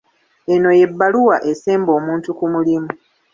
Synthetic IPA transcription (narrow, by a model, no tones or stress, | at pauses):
e̞no̞je̞bːaluwaʔe̞seːmbo̞ːmuːntukumulimu